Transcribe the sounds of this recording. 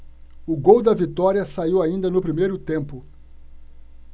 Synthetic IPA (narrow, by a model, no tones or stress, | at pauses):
ʊɡowd̪ɐvit̪ɔɾiɐsaiwaĩnd̪ɐnʊpɾimejɾʊt̪ẽmpʊ